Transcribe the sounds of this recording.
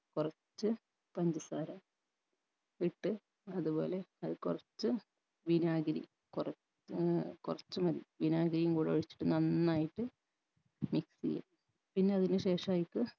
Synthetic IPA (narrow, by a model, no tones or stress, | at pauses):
kurɐt͡ɕːɨ | pɐɲd͡ʑɨsaːɾɐm | iʈːɨ | ɐðubo̞ːle̞ɐðɨkurɐt͡ɕːɨ | ʋinaːɡɐɾḭ | kurɐ | kurɐt͡ɕːɨmɐðḭʋinaːɡɾijumkuːɽɨoɻit͡ɕːi̥ʈːɨnɐnːaːjiʈːɨ | miksḭjɐ̰ | pinːe̞ɐðinɨɕe̞ːʂɐaːjikːɨ